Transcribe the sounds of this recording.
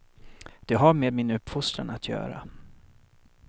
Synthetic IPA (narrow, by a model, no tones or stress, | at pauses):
d̪̥ɛɦaɾmeːd̪̚mɪnɵpːfʊst̪ɾa̰nat̪ʰjœ̰ːɾa̰